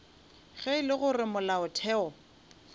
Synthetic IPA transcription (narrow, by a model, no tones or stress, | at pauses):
ɣɛɪlɪɣʊrɪmʊlaʊtʰɛːɔ